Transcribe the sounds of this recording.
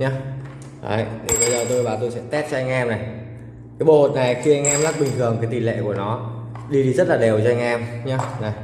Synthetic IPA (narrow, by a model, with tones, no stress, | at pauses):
ɲaː˧˦ | ʔa̰ː˨˧˩jnɨ˨˧˩ɓə˧jzəː˨˩t̪o˧jvaː˨˩t̪̬o˧jsɛ̰˧˥t̪ɛ˦˥t̚t͡ɕɔ˧ʔa˧jŋ̟ʔɛ˧mna˨˩j | kaː˨˦jɓo˨ho˨˩t̚na˨˩jxi˧ʔa˧jŋʔɛː˧mla˦˥k̚ɓï˨˩ŋ̟t̪ʰɨ˨˩əŋkaː˨˦jt̪i˧˨˩lḛ˧˨ku˧˩ənɔ˨˦ | ɗi˧ɗi˧zə˦˥t̚laː˨˩ɗe˨˩wt͡ɕɔ˧a˧ŋʔɛ˧mɲaː˧˦na˨˩j